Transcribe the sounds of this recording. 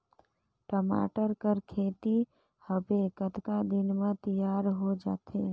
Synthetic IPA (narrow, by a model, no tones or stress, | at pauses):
ʈəma̰ːʈəɾkəɾkʰeːt̪i | həbekət̪kad̪ɪnmẽt̪ijaːɾɦod͡ʒa̰ːt̪ʰe